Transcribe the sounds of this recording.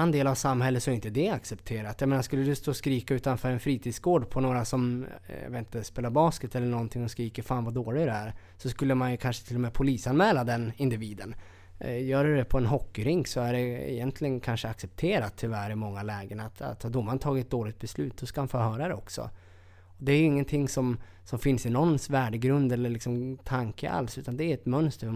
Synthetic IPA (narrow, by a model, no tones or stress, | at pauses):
and̪eːlavsamhɛlːət̪sɔɛɾɪnt̪əd̪ɛaksɛp̚t̪ʰeːɾat̪jɑmeːnaskɵlːəd̪ɵst̪oːskɾiːkaʉ̟ːt̪anfœːɾɛnfɾiːt̪ʰiːd̪sɡoːɖpʰɔnoːɾasɔmjɑ̰et̪nəspeːlaɾbɑːskət̪ɛlːəɳɔnt̪ʰɪŋːɔskɾiːkəɾfaːnvad̪oːlɪɡɾɛæɾ | sɔskɵlːəmanjɵkʰanʂə̥t̪ʰɪlːɔmɛpʰʊliːsanmɛːlad̪ɛnɪnd̪ɪviːd̪ən | jœːɾɵdɛpʰɔɛnɦɔkːɪɾɪŋksɔæɖɛɛ̰jɛnt̪lɪɡənkʰanʂəaksɛp̚t̪ʰeːɾat̪ʰːʏvæɾɪmɔŋːalɛːɡənat̪a̰t̪hɑd̪ʊmːant̪ʰɑːɡɪt̪̚d̪oːlɪɡ̚t̪̚bɛslʉ̟ːt̪̚d̪ɔskamanfœɾɦœːɾad̪ɛɔksɔ̰ | ɔd̪ɛæɾjɵɪŋːənt̪ʰɪŋːsɔm | sɔmfɪnsɪnɔnːsvæːɖəɡɾɵnd̪ɛlːəɭɪksɔmt̪ʰaŋkəʔa̰lsʉ̟ːt̪and̪ɛæɾɛt̪mœnst̪əɾv